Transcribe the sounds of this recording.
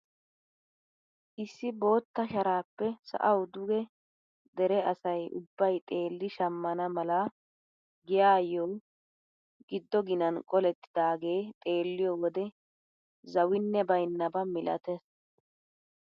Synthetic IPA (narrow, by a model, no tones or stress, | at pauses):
ʔɪsːɪbo̞ːt̪ːɐʃɐɾaːpːɛsɐ̰ʔɐwd̪ʊɡɛ | d̪ɛɾɛɐsɐjʔʊ̰bːɐjt̪ʼe̞ːlːɪʃɐmːɐnɐmɐlɐ | ɡɪjaːjɔw | ɡɪd̪ːɔɡɪnɐnkʼɔlɛt̪ːɪ̥d̪aːɡe̞ːt̪ʼe̞ːlːɪjɔwɔd̪ɛ | zɐwɪnːɛbɐjnːɐbɐmɪlʔɐ̰t̪ɛs